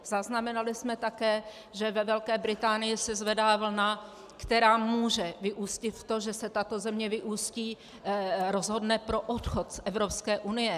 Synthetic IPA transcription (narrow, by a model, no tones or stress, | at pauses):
zaznamɛnalɪsmɛt̪akɛː | ʒɛvɛvɛlkɛːbɾɪt̪aːnɪjɪsɛzvɛdaːvl̩na | kt̪ɛɾaːmuːʒɛvɪʔuːscɪt̪ft̪oʒɛsɛt̪at̪o̞zɛmɲɛvɪʔuːsciː | ɾozɦo̞dnɛpɾo̞ʔot̪xot̪sʔɛvɾopskɛːʔunɪjɛ